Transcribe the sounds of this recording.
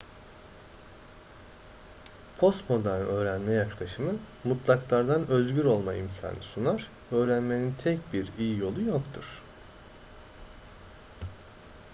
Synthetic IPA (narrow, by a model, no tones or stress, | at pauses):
pʰo̞st̪mo̞d̪aɾø̞ːɾænmɛjaklˠaʃɯmɯ | mut̪ʰlˠaklˠaɾd̪anø̞zɟyɾo̞lˠmaimcʰa̰ːnɯsunaɾ̥ | ø̞ːɾænme̞nint̪ʰɛcbiɾijijo̞lˠujokt̪ʰuɾ̥